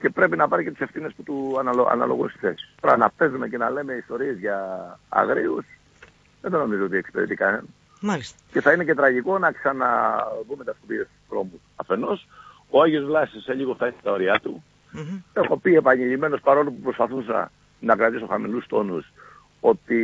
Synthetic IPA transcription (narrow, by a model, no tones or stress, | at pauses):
ce̞pɾe̞pinɐpɐɾice̞t̪u̥se̞fθine̞sput̪uɐnɐɐ̰nɐ̰lo̞̰ɣunsi̥θesi̥toɾɐnɐpt̪e̞zume̞ce̞nɐle̞me̞ist̪o̞ɾie̞zʝɐ̰ːɣɾius | ðend̪ono̞mizoo̞t̪iekspe̞ðet̪ikɐnenɐ | malis | ce̞θɐine̞ce̞t̪ɾɐʝiko̞nɐksɐnɐðumet̪ɐskupiest̪u̥stɾo̞musɐfe̞no̞s | oɐʝiozvlɐsisseʎiɣoft̪ɐisst̪ɐo̞ɾiɐt̪u | e̞xo̞pie̞pɐɲiʎime̞no̞spɐɾo̞lupupɾo̞spɐθusɐ̰ | nɐkɾɐt̪iso̞xɐmḭlust̪o̞nus | o̞t̪i